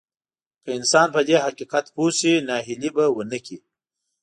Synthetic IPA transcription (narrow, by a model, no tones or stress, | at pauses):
kəɪnsɑːnpəd̪eɦaqiqat̪husinɑːɦilibɐwənəki